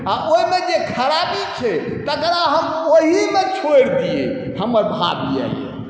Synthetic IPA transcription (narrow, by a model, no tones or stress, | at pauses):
aʔoɦimed͡ʒekʰəɾabit͡ʃʰɛ | t̪əkɾaɦəmoɦimet͡ʃʰoɽd̪ijḛ | həməɾbʱa̰bia̰